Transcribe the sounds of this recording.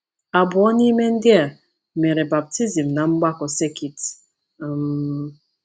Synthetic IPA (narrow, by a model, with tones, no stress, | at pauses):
a˨bʊ˨ɔ˦ni˦me˦n̩˦dɪ˦a˨ | me˨ɾe˨ba˨p̚ti˦zi˨m̩˨na˨ŋ͡m̩˦ɡ͡ba˦kɔ˨se˦ki˨t | m˦